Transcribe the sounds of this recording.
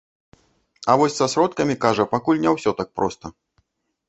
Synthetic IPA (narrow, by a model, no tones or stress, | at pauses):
avɔsʲsasɾɔt̪kɐmʲikaʐɐpakulʲnʲawsʲɔt̪ak̚pɾɔst̪ɐ